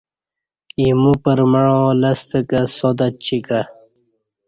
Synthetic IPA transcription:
imupəɾməɻõlɐst̪əkasod̪at͡ɕika

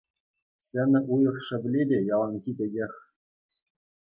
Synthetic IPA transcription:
ɕɘ̆nʲɘ̆ʔujɤ̆χʂɘ̆bʲlʲedʲejɑlˠɑnɣʲibʲɘ̆ɡʲexʲ

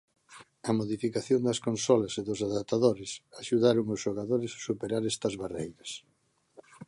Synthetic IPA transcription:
ɐmoðifikaθjond̪ɐskonsɔlɐseðʊsaðat̪aðoɾɪsaʃuðaɾoŋʊsʃoɣaðoɾɪssupeɾaɾɛst̪ɐzβarejɾɐs

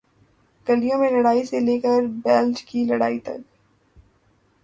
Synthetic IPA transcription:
ɡ̥ɐlijõmẽlɐɽaːiseleːkəɾbɛːld͡ʒkilɐɽaːit̪ɐ̰k̚

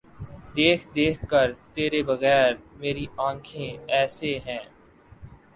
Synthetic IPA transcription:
d̪eːkʰd̪eːkʰkəɾt̪eːɾebɐɣɛːɾmeːɾiãːkʰẽɛːseɦɛ̃ː

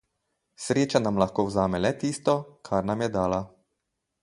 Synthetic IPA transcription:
sɾeːt͡ʃanamlaxkoːwzaːmɛlɛt̪iːst̪ɔkʰaɾnamjɛd̪aːla

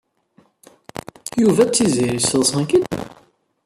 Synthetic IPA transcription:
juvæt͡sːiziɾisəlsˤɑ̃kid̪

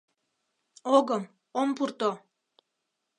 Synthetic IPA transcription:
oɣəm | ompurt̪o

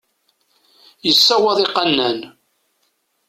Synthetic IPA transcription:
jəsːæwɑðˤiqɑnːæn

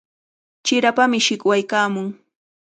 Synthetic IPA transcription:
t͡ʃɪɾapamɪʃɪkwajkaːmʊŋ

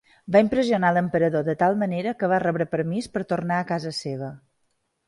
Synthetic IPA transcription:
baimpɾəziunaləmpəɾəðoðət̪alˠməneɾəkəβ̞arɛβɾəpəɾmispəɾt̪ornaəkazəseβ̞ə

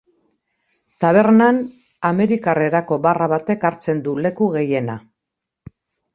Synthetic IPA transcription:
t̪aβ̞e̞ɾnan | ame̞ɾikare̞ɾako̞baraβat̪e̞kaɾt͡se̞nd̪ule̞kuɣe̞je̞na

